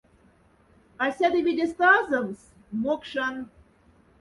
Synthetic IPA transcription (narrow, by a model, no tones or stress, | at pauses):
ɑsʲæd̪eβʲed̪ʲest̪ɑzɤms | mokʃɑn